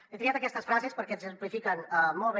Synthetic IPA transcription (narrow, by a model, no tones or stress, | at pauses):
et̪ɾiat̪əkɛst̪əsfɾazespəɾkɛsəmplifikənəmɔlˠβe